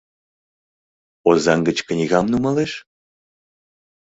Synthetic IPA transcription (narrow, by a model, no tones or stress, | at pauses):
ozɑŋɡət͡ɕknʲiɣɑmnumɑleʃ